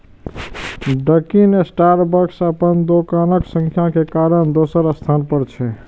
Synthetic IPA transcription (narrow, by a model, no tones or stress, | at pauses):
ɖəkinesʈaɾbəɾksəpənd̪okanəksə̃ŋkʰjakekaɾəɳd̪osəɾəst̪ʰanpəɾt͡ʃʰɛ